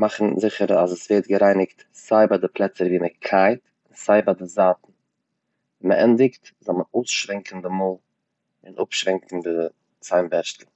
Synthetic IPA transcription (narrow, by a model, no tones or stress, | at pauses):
maχn̩zɪχəɾazəsveɪt̚ɡəɾaɪnɪkt | z̥aɪbadɪplˠɛt͡səɾviːməkʰaɪt | ɪnz̥aɪbadɪzaːtn̩ | vɛməʔɛndɪktzɔlˠməoːʊsʃvɛŋkn̩dɪmoːlˠ | ɪnʔʊ̰pʃvɛŋkŋ̩dɪ | t͡saɪmbɛɾʃtl̩ˠ